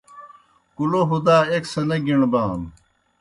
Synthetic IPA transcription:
kuloɦud̪aːeksɐnɐɡiɳbaːm

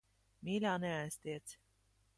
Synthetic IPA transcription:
miːlʲaːnɛæjst̪iːt̪s

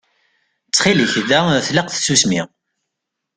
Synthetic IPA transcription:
t͡sːχiliçðæθləqθsusmiʁ

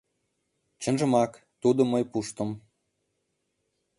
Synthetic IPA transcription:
t͡ɕə̆nʒə̆mɑk | t̪ud̪oməjpuʃt̪ə̆m

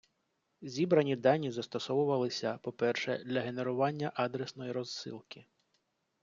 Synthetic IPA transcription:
zʲibɾɐnʲid̪ɑnʲizɐst̪ɔsɔʋʊʋɐlˠɪsʲɐpɔpɛrʃɛd̪lʲɐɦe̞ne̞ɾʊʋɑnʲːɐʔɑd̪ɾesnɔjiɾɔzːɪ̰lˠkɪ

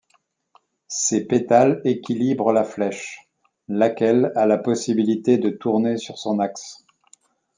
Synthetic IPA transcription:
sepet̪alekʲilibʁəlaflɛʃ | lakʲɛlalapɔsibilit̪ed̪ət̪uʁnesyʁsɔ̃naks

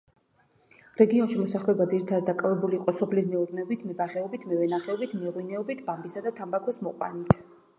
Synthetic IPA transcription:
ɾɛɡiɔnʃimɔsaχlɛbad̪ziɾit̪ʰaɾad̪ːakʼavɛbuliːqʼɔsɔpʰlidmɛuɾnɛɔbit̪ʰmɛbaχɛɔbit̪ʰmɛvɛnaχɛɔbit̪ʰmɛɾwinɛɔbit̪ʰbambisad̪at̪ʰambakʰwɛsmɔqʼwa̰nit̪ʰ

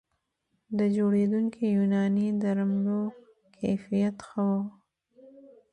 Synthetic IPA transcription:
d̪əd͡ʒoɽed̪uŋkijunɑnid̪aɾamlo | kʰefijat̪xəwo

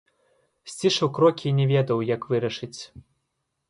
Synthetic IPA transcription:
sʲt͡sʲiʂɐwkɾɔkʲinʲɛvʲɛd̪ɐwjɐkvɨɾɐʂɨt͡sʲ

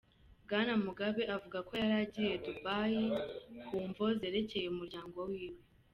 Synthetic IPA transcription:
bɡaːnamuɡaβeʔavuɡako̞jaɾaːɟije̞dubaːjikuːɱvo̞zeɾe̞ce̞jeumuɾɟaːŋɡo̞wiːwe̞

